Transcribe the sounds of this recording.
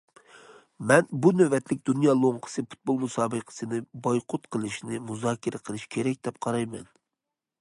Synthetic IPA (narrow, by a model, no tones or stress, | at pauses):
mɛnbunøvɛt̪lɪk̚ʲd̪unjɑːlˠoŋqʰə̥sɨfu̥t̪̚bolˠmusɑːbəqʰə̥sɨnɨbɑjqʰʊt̪qʰəlˠɨʃnɪmuzɑːkʲʰɪɾɪqʰəlˠɨʃkʲʰeɾɛk̚ʲd̪̥ɛp̚qʰɑɾɑjmɛn